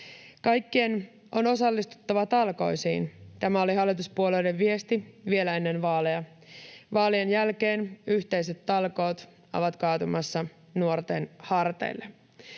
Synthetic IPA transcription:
kɑjkːien | o̞no̞sɑlːist̪u̥t̪ːɑʋɑt̪ɑlko̞̰jsḭːnt̪æmæo̞liɦɑlːit̪̬uspuolejde̞ʋʋie̞st̪iʋie̞læe̞nːe̞nʋɑːlejɑ | ʋɑːlienjælkeːnyçt̪e̞js̬e̞t̪ːɑlkoːt̪ | o̰ʋɑt̪kɑːt̪umɑsːɑ | nuort̪e̞nhɑrt̪ḛjlːe̞

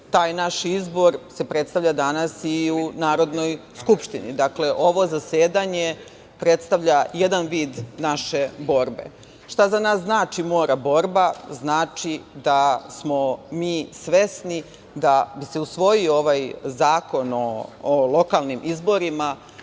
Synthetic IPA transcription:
t̪aːjnaʃizbo̞ɾse̞pɾe̞t̪st̪aʋʎʲad̪anasiunaːɾo̞d̪no̞jskupʃt̪inḭd̪akle̞ʔo̞ʋo̞zaseːd̪aɲe̞ | pɾe̞t̪st̪aʋʎaje̞d̪anʋiːd̪naʃe̞bo̞ɾbe̞̰ | ʃt̪azanaːsznaːt͡ʃimo̞ːɾabo̞ɾbaznaːt͡ʃid̪asmo̞miːsʋe̞sni | d̪abise̞usʋo̞jiooʋajzaːko̞noːlˠo̞kalˠnimʔizbo̞ɾima

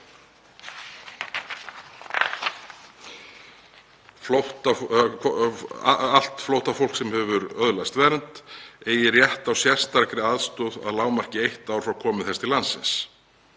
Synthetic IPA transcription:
floht̪a | aal̥t̪flowht̪afowl̥ksɛmhɛvʏɾœðlast̪vɛːɾnt̪eːjɪrjɛht̪awsjɛr̥st̪aɾkɾɪaðst̪ɔða̰ðlaːwmar̥cɪejht̪aːwɾ̥fɾawkʰɔːmɪðθɛst̪ʰɪlansɪ̰ns

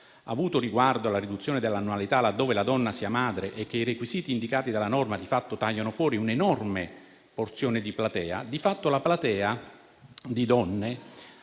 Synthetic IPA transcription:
a̰vuːt̪oriɡward̪oalːarid̪ut̪sːjoːned̪elːanːualit̪alad̪ːoːvelad̪ɔnːasiamaːd̪ɾeʔɛkːeirekwiziːt̪iːnd̪ikaːt̪id̪alːanɔrmad̪ifat̪ːot̪ajːanofwɔːɾiunenɔrme | port̪sjoːnɪd̪iplat̪ɛːa̰d̪ifat̪ːolaplat̪ɛːa | d̪id̪ɔnːe

